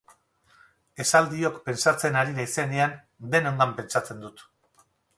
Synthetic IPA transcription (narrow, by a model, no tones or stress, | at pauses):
e̞sald̪io̞kpe̞nt͡sat͡se̞naɾiɾaise̞nean | d̪e̞no̞ŋɡ̪ampe̞nt͡sat͡se̞nd̪ut̪